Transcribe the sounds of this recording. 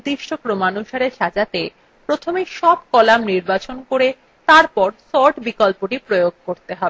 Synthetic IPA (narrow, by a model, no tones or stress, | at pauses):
d̪iʃʈʰokɾomanuʃaɾeɾʃad͡ʑat̪e | pɾot̪ʰomeʃɔbkɔlamniɾbat͡ɕonkoɾe | t̪aɾpɔɾsɔɾʈbikolpoʈipɾojoɡ̚ʱkoɾt̪eɦɔbe